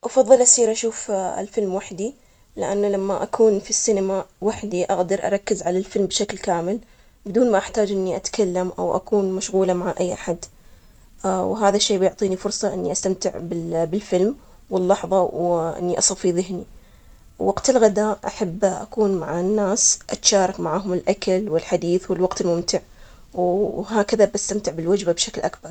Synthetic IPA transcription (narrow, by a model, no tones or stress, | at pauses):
ʔɑfɑðˤːɨlʔasiːɾʔaʃuːfɪ̰lfɪlmwaħd̪i | lɪʔanːalamːaʔakʰuːnfisːinamawaħd̪iʔaɣd̪ɑɾˤʔɑ̰ɾˤɑkːɪzʕalalfɪlmbʃaklkaːmɪl | bɪd̪uːnmaʔaħt̪aːd͡ʒʔɪnːiʔat̪kʰalːamʔa̰wʔa̰kuːnmaʃɣuːlamaʕaʔajːʔaħad̪ | wɦaːðaʃːeːbɪjʊʕt̪ˤiːnifʊɾˤsˤɑʔɪnːiʔast̪amt̪ɪʕbɪbɪlfɪlm | wɪlːɑħðˤɑwʔɪ̰nːiʔɑsˤɑfiðɪɦni | wwaɡt̪ɪlɣad̪aːʔʔaħabːʔa̰kuːnmaʕanːaːsʔat̪ʃaːɾˤɑkmaʕaːɦʊmɪlʔakalwɪlħad̪iːθwɪlwɑɡt̪ɪlmʊmt̪ɪʕ | wɦaːkaðabast̪amt̪ɪʕbɪlwad͡ʒbabʃaklʔakbɑɾˤ